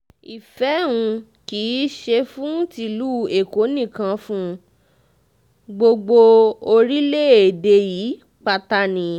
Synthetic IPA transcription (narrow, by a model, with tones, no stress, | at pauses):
i˨fɛ˨˦ũ˧ | kiː˨˦ʃe˧fũ˦ti˧lu˦˨e˨ko˨˦nĩ˦˨kã˧fũ˦ | ɡ͡bo˧ɡ͡bo˧o˧ɾi˦le˦˨e˨de˧ji˨˦ | k͡pa˧ta˧nĩ˨